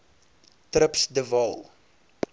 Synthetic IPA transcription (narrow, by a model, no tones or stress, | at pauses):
trəpsdəvɑlˠ